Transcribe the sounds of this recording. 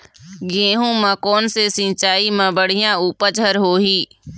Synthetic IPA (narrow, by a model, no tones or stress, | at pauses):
ɡẽːɦũmə̃kɔːnsesɪ̃t͡ʃaːimɐ̃bəɽ̤ɪjãuːpət͡ʃʰəɾɦoːɦiː